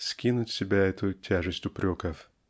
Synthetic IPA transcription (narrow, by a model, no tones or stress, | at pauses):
sʲkʲinʊtʲsʲɪbʲaɛt̪ʊtʲʰaʐɨsʲtʲʊpɾʲo̞kəf